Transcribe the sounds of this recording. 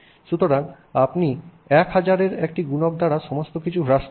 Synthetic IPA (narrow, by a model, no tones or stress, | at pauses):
ʃut̪oɾan | apni | ɛkɦad͡ʑaɾeɾek̚ʈiɡunok̚d̪ʱaɾaʃɔmost̪okit͡ɕʰuɦɾaʃ